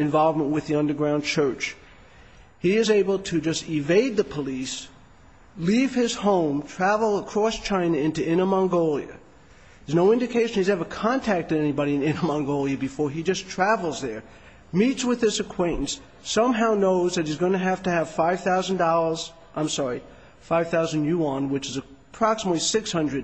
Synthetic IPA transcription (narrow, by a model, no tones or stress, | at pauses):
ɨ̃ɱvɑlˠvmə̃nʔwɨðiʌ̃ndə˞ɡɹãʊ̃nt͡ʃʰɜ˞t͡ʃ | hiɪzeɪbl̩ˠtʰɨd͡ʒʌstɪveɪd̪̚ðɨpʰəlis | liv̥ɪz̥hõʊ̃mtʰɹ̥ævl̩ˠəkʰɹ̥ɔst͡ʃʰãɪ̃nɨɪ̃ntʉʔɪ̃ñəmɑ̃ŋɡoʊlˠjɨ̰ | ðəznoʊɪ̃ndɨkʰeɪʃɨ̃n̩hizɛvə˞kʰɑ̃ntʰæk̚tɨɾɛnibɑɾiɨ̃nɪ̃nəmɑ̃ŋɡoʊlˠjɨbɨfɔɹid͡ʒʌstʰɹ̥ævl̩ˠzðə˞ | mitswɨðɪsɨkʰw̥ẽɪ̃nʔn̩sː | ʌ̃mɦaʊnoʊzðɨt̚hizɡʌ̃ñɨɦæftɨːv̥faɪv̥θaʊz̃n̩dɑlˠə˞z̥ | ʔãɪ̃msɑɹi | faɪv̥θaʊzɨ̃n̩juə̃nwɨt͡ʃɨzɨpʰɹ̥ɑksəmətˡlˠisɪkshʌ̃ndɹɨd̚